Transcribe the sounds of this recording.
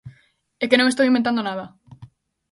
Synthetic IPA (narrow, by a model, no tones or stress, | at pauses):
ekenõŋest̪owimbent̪and̪onaðɐ